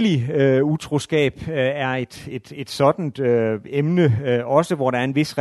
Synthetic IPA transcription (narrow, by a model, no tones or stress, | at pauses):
liøut͡sʰʁo̝sɡ̥ɛ̰ːb̥æɐe̝d̥ed̥e̝d̥sɒ̽d̥n̩d̥øemnəɒ̽səʋɒɾ̥ɑ̈ɐe̝nʋe̝sʁɛ